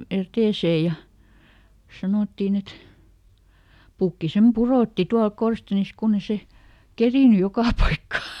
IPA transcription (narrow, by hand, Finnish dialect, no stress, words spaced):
eteˑseˑ jɑ sɑnoˑtːin et pukːi sem puroˑtːi tuɑlk korstenis kunː e se keriˑny jokɑˑ pɑikːɑ